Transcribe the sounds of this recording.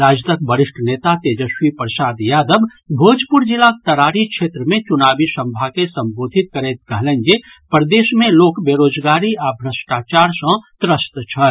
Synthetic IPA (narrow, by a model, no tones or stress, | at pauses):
ɾad͡ʒt̪ək̚bəɾiʂʈʰənet̪at̪ed͡ʒəʃwipɾəsaːd̪jaːd̪əbbʱod͡ʒpuɾd͡ʒilak̚t̪əɾaːɾikʰʃʰet̪ɾəmẽt͡ʃunabisə̃mbʱakesə̃mbod̪ʱit̪̚kəɾet̪̚kəɦlənɡe | pɾd̪esmelokbeɾod͡ʒɡaɾiabʱɾəsʈat͡ʃaɾsə̃t̪ɾəst̪t͡ʃʰəl